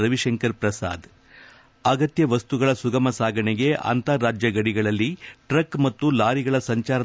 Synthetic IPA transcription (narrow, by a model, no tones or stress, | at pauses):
ɾɐʋiʂɐŋkɐɾpɾɐsa̰ːd̪ | ɐɡɐt̪jɐʋɐst̪uɡɐɭɐsuɡɐmɐsaːɡʱɐɳɛɡe̞ʔɐ̰nt̪ɐɾːaːd͡ʒjɐɡɐɽiɡɐɭɐlːiʈɾɐkmɐt̪ːulaːɾiɡɐɭɐsɐɲt͡ʃaːɾɐ